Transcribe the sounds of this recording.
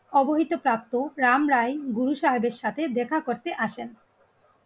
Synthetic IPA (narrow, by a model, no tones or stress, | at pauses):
ɔboɦit̪opɾap̚t̪oɾamɾajɡuɾuʃaɦebeɾʃat̪ʰed̪ɛkʰakoɾt̪eʔaʃen